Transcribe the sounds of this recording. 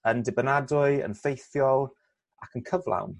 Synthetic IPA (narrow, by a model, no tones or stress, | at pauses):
əndɪbənadʊɨə̰nfejθjɔlˠ | akʰənkʰəvlˠa̰wn